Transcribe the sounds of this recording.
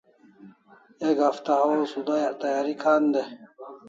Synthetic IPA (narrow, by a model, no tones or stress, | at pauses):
eɡhaft̪aɦaosud̪ajt̪ajaːɾikʰaːnd̪e